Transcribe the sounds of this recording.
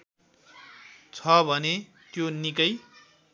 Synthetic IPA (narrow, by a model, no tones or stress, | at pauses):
t͡sʰʌbʱʌne | t̪jonikʌj